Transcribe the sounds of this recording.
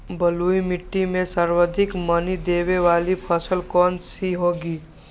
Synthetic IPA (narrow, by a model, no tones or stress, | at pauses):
bəluimɪʈːimẽsaɾwəd̪ʱɪkmənid̪eːweʋaːlipʰəsəlkɔːnsiɦoːɡiː